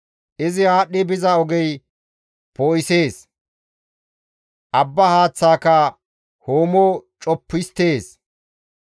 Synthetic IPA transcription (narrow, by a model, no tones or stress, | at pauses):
ʔɪzɪhaːɗːɪbɪzɐɔɡɛj | poːʔɪse̞ːs | ʔɐbːɐhaːt͡sːaːkɐ | hoːmɔt͡ʃʼɔpːɪst̪e̞ːs